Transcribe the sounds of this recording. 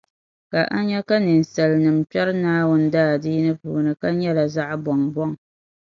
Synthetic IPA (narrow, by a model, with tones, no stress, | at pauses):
ka˨ʔa˦ɲɛ˦ka˦nɨ˨n̩˨sɛ˨lnɨ˨m̩˨pɛ˦ɾɨ˦naː˦wʊ˦n˦daː˦˨diː˦nɨ˦pṵː˨nɨ˨ka˦ɲɛ˦la˨za˦ʔbɔ˨ŋbɔ˦ŋ